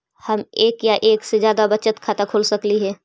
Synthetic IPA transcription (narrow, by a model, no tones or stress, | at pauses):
hɐmeːkjaʔeːksed͡ʒjaːd̪abɐt͡ʃət̪kʰaːt̪akʰoːlsɐkliɦɛː